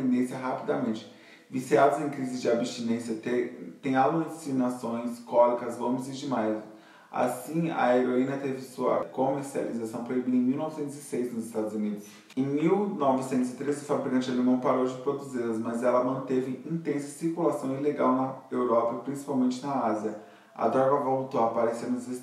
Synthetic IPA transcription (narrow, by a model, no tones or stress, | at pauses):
ẽnd̪ẽsjɐɦapid̪ɐmẽnt͡ʃɪ̥ | visiad̪ʊzẽj̃kɾizɪzd͡ʒɪabst͡ʃinẽsjɐt̪et̪ẽj̃alusinasõj̃skɔlikɐzvõmizɪd͡ʒɪmajv | a̰sĩɐ̰eɾoĩnɐt̪evɪsuɐ̰komeɾsia̰lizasɐ̃w̃pɾoibid̪ɐẽj̃miwnɔvɪsẽnt̪ʊzɪsejznʊzɪst̪ad̪ʊzunid̪ʊs | ẽj̃miwnɔvɪsẽnt̪ʊzɪt̪ɾezʊfabɾikɐ̃nt͡ʃɪalemɐ̃w̃paɾowd͡ʒɪpɾod̪uzilɐzmɐzɛlɐmɐ̃nt̪evɪĩt̪ẽsɐ̥siɾkulasɐ̃w̃ileɡawnɐewɾɔpɐpɾĩsi̥pawmẽnt͡ʃɪnɐaziɐ | ɐ̰d̪ɾɔɾɡɐvolut̪oapaɾesenʊzes